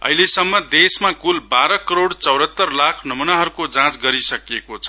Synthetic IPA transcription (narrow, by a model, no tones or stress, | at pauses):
ʌ̰ɦilesʌmːʌd̪esmakulbaɾʌkʌɾoɽt͡sʌwɽʌt̪ːʌrlakʰnʌmunaɦʌɾukod͡zãt͡sɡʌɾisʌkekot͡sʰʌ̥